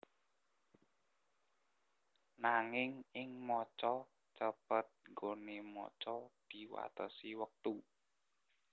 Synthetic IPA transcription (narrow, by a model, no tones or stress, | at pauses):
naŋɪŋɪŋmɔt͡ʃɔ | t͡ʃəpət̪̚ŋɡonemɔ̰t͡ʃɔd̪̥i̤wa̰t̪əsiwək̚t̪u